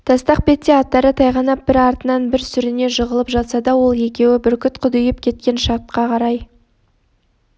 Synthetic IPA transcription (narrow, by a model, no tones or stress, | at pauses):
t̪ʰɑst̪ɑq̚pe̞t̪ːeɑt̪ːɑɾət̪ʰɑjʁɑnɑp̚b̥ɪɾɑɾt̪ənɑnbɪɾsʏɾɪne̞ʒəʁəlˠəpʒɑt̪sɑd̪ɑwo̞lˠje̞kʲe̞wɪbɪɾkʲʰʏt̪qʰʊd̪ʏjɪpkʲʰe̞t̪̚kʲe̞nʃɑɾt̪̚qɑqʰɑɾɑj